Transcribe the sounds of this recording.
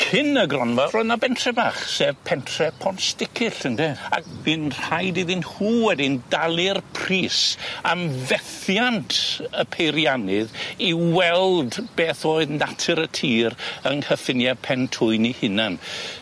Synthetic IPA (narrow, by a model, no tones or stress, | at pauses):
kʰɪnəɡrɔnvarɔnabɛntʰrɛbaːχseːvpʰɛntʰrɛpʰɔnstɪkʰɨɬəndɛa̰k̚binr̥ajdiðɪnhuːwɛdɪndalˠɪrpʰriːsamvɛθjantʰəpʰejɾjanɨðiwɛlˠdbeːθoːɨðnatʰɨɾətʰiːrənhəfɪnjapʰɛntʰʊɨnihɪnan